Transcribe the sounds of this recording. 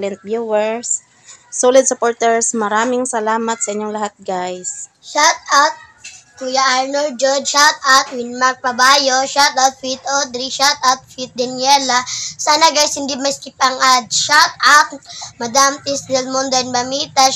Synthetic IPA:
lɛnt̪̚bjuwɛɹsː | olɪd̪̚sʊpoːɹt̪ɛɹsmɐɾaːmɪŋsɐlaːmɐt̪̚sɐʔɪɲːoŋlɐhat̪̚ɡajs | ʃat̪awt̪̚ | kujaʔaɹnold͡ʒod͡ʒʃat̪̚awt̪̚wɪnmaɾk̚pɐbajoʃat̪awt̪̚fit̪od̪ɾiʃat̪awt̪̚fit̪̚d̪ɐnɪɛlɐsaːnɐɡajshɪnd̪imɐskɪpaŋad̪̚ʃat̪awt̪̚mɐd̪amt̪isd̪ɛlmond̪oɛnbɐmit̪ɐ

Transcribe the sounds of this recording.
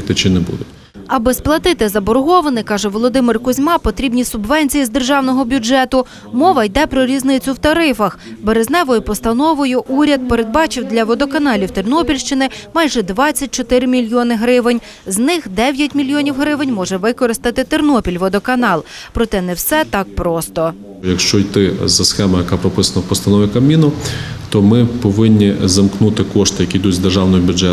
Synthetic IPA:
t̪ɪt͡ʃɪnɛbṵd̪ʊ | ɐbɪsplˠɐt̪ɪt̪ɪzɐbɔɾɦɔʋɐnɪkɑʒɛʋɔlˠɔd̪ɪmɪrkʊzʲmɑpɔt̪ɾʲibnʲisʊbʋɛnʲt͡sʲijizd̪erʒɑwnɔɦɔbʲʊd͡ʒɛt̪ʊ | mɔʋɐjd̪ɛpɾɔɾʲiznɪt͡sʲʊwt̪ɐɾɪfɐxbeɾeznɛʋɔjʊpɔst̪ɐnɔʋʊjʊʔuɾʲɐd̪̚peɾed̪̚bɑt͡ʃɪwd̪lʲɐʋɔd̪ɔkɐnɑlʲiwt̪ɪrnɔpʲilʲʃt͡ʃɪnɪmɑjʒɛd̪ʋɑt͡st͡sʲːɐt̚ʲt͡ʃɔt̪ɪɾɪmʲilʲjɔnɪɦɾɪʋɪnʲ | znɪxd̪ɛʋʲjɐtʲmʲilʲjɔnʲiwɦɾɪʋɪnʲmɔʒɛʋɪkɔɾɪst̪ɐt̪ɪt̪ɪrnɔpʲilʲʋɔd̪ɔkɐnɑlˠ | pɾɔt̪ɛnɛwsɛt̪ɑk̚pɾɔst̪ɔ | jɐkʃt͡ʃɔjt̪ɪzɐsxɛmɐjɐkapɾɔpɪsɐnɐwpɔst̪ɐnɔʋʲikɐmʲinʊt̪ɔmɪpɔʋɪnʲːizɐmknut̪ɪkɔʃt̪ɪjɐkʲijd̪uzd̪erʒɑwnɔjʊbʲʊd͡ʒɛ

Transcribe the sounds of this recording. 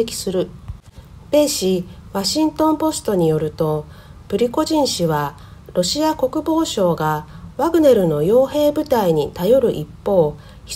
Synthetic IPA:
ekʲi̥sɨɾɯ̟ | be̞ɕiβaɕĩnt̪õ̞mpo̞sɨ̥t̪o̞ɲ̟ijo̞ɾɯ̟t̪o̞ | b̥ɯ̟ɾʲiko̞ʑĩɰ̃ɕiβa | ɾo̞ɕiako̞kɯ̟bo̞ːɕo̞ːɡaβaɡɯ̟ne̞ɾɯ̟no̞jo̞ːɦe̞ːbɯ̟t̪aiɲ̟it̪ajo̞ɾɯ̟ʔipːo̞ː | çi̥

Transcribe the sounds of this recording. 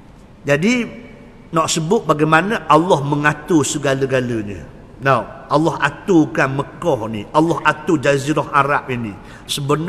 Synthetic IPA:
d͡ʒadi | nɔʔsəbʊt̪̚baɡajmanaʔalɔhməŋat̪usəɡaləɡaləɲə̰ | nawʔalɔɦat̪ukanməkɔhnialːɔhat̪ud͡ʒaziɾɔhaɾap̚inḭ | səbən

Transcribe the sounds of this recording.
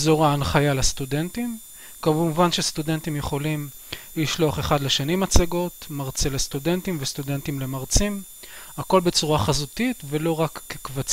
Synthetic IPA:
zo̞ʁaːnχajalast̪ude̞ntim | kamuvanʃest̪ude̞ntimjeχo̞lim | liʃloaχe̞χadleʃanimat͡saɡo̞t̪maʁt͡selest̪ude̞nt̪imvestude̞ntimle̞maʁt͡sim | ako̞lbet͡suʁaχazutitve̞lo̞ʁakːekvat͡s

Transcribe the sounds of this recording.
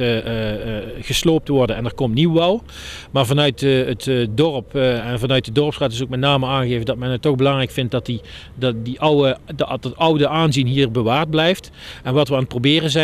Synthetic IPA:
ɣəsloːp̚tʋɔɹdənɛndəɹkɔmtniwʋɛlˠ | maːɹvɑnœɥtətdɔrəpɛnvɑnœɥtdədɔɹəpsraːtɪs̬ok̚mɛtnaːməaːŋɣeːvədɑtmɛnətːɔɣbəlɑŋrɛjkfɪnt̚dɑti | ddiʔwətʌwdəʔaːnzinɦiːɹbəʋaːɹd̚blɛjft | ɛnʋɑtʋəaːnət̚prowbɪːrənzɛ

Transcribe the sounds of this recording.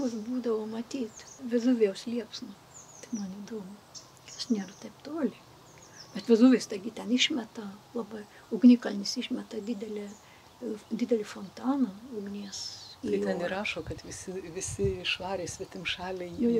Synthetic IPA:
ʋʊsbuːd̪ɐʋoːmɐt̪ʲiːt̪ʋʲɪzuʋʲɪjɛʊslʲiɛpsnʊ | t̪ɐ̥ɪmɐniːd̪oːmʊ | tɐʃnʲeːrɐt̪ɐɪpt̪oːlʲɪ | b̥ʲɛt̪ʋʲɪzuːʋʲeːst̪ɐɪɡʲɪt̪ʲɛnɪʃʲmʲɛt̪ɐlˠɑːbɐ | ʊɡnʲikɐlʲnʲɪsɪʃʲmʲɛt̪ɐdʲɪd̪ʲɛlʲɛ | d̪ʲɪd̪ʲɛlʲɪfont̪ɑːnɐɐʊɡnʲiɛsɐɪjtʲɛniɾɑːʃoːkɐt̪ʋʲɪsʲɪʋʲɪsʲɪɪʃʋɑːɾʲeːsʲʋʲɛt̪ʲɪmʃɑːlʲɛjjɛj

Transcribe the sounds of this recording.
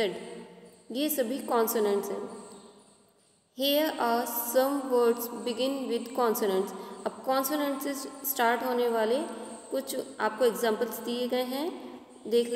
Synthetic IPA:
əɖ | jeːsɐbʱikɔːnsonə̃ɳʈsɦɛ̰̃ː | hiəɾʔaːsɐ̃mʋəːɾɖsbɪɡɪ̃nʋɪd̪kɔ̃ːnsonə̃ɳʈsɐb̚kɔ̃ːnsonə̃ɳʈsɪzsʈaːɾʈɦoːneʋaːle | kʊt͡ʃʰaːp̚koeɡzãːmpəlzd̪ieɡɐeɦɛ̃ | d̪eːkʰl

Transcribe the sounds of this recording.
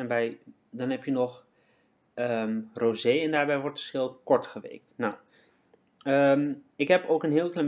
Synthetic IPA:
ɛnbɛj | dɔnɦɛpjənɔx | əmrozeːɛndaːɹbɛjʋɔɹtə̥skɪlˠpkɔɹtχəʋḛːk̚tnaw | əmɪkɦɛpoːkənɦiəːlˠklam

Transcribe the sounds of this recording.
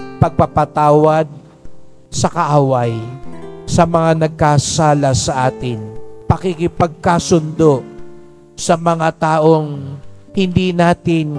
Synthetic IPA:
pɐɡ̚pɐɡ̚pɐt̪aːwɐd̪̚ | sɐkɐʔaːwɐj | sɐmɐŋanɐɡ̚kasaːlɐsɐʔaːt̪ɪnpɐkikɪpɐɡ̚kasʊnd̪o̞ʔ | sɐmɐŋat̪aːʔo̞ŋhɪnd̪iːnaːt̪ɪn

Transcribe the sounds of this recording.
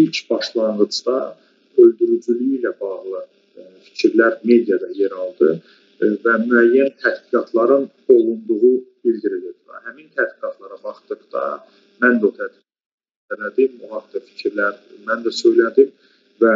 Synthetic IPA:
ilcʰbɑʃlˠɑɴʁɯd͡ʒd̪ɑ | ø̞ld̪yɾyd͡ʒylyjilæbɑʁlˠɯ | fi̥cʰiɾlæɾme̞d̪ijɑd̪ɑjeɾɑlˠd̪ɯ | væmyæjːænt̪ʰæd̪biɡɑt̪ʰlˠɑɾɯn | o̞lˠund̪uɣub̥ild̪iɾilib̪ɑ̰hæmint̪ʰæd̪biɡɑt̪ʰlˠɑɾɑvɑχt̪ɯkd̪̥ɑ̰ | mænd̪ot̪ʰæd̪viɡ | ænæd̪imoɦɑχd̪ɑfi̥cʰiɾlæɾmænd̪æsø̞jlæd̪im | væ

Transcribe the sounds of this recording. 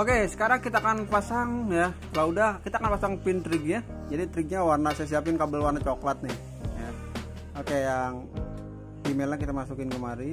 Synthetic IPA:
okesə̥kaɾaŋkit̪aːkanpasaŋjakəlaudahkit̪akanpasaŋpint̪ɾɪɡ̚ja | d͡ʒadit̪ɾɪɡ̚ɲawarnasasiapɪnkabəlwarnat͡ʃoklat̪̚nɪh | ja | okejaŋ | pimelakit̪amasukɪnkəmaɾi

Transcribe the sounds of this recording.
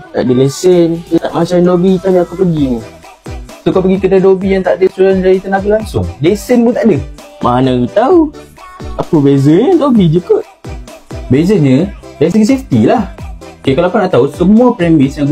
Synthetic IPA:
t̪a̰ʔdəlesənsot̪a̰ʔmat͡ʃainobit̪aɲaakupəɡiu | soakapəɡikədadobijaŋt̪aʔdəsuɾand͡ʒadit̪ənaɡilaŋsʊ̰ŋlesənpunt̪aʔdə | manaɡit̪au | apəbezəɲədobid͡ʒukəʔ̚ | bezəɲə̃daɾisəɡiseft̪ilahokekalapunaʔt̪ausəmũapɾɛmĩsjaŋ

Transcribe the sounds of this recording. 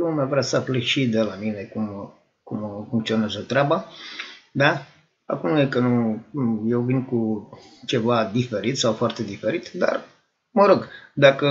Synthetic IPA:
lumavɾeasəapleʃid̪elamine̞kum | kumfuŋkt̪sio̞nazət̪ɾeaba | d̪a | a̰kumjekənu | je̞wvinkut͡ʃe̞vad̪ife̞ɾit̪sawfoart̪e̞d̪ife̞ɾit̪d̪a̰r | məɾoɡd̪akə

